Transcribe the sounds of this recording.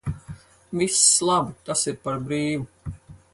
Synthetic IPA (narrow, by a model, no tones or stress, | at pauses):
vislˠabit̪asiɾpaɾbɾiːʋu